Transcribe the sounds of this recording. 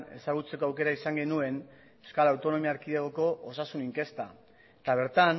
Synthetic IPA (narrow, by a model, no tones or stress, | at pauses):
e̞̰saɣut͡se̞ko̞awke̞ɾaisaŋɡe̞nue̞n | e̞wskalawt̪o̞no̞miaɾkiðeɣoko̞ʔosasuniŋke̞st̪a | t̪aβ̞e̞ɾt̪an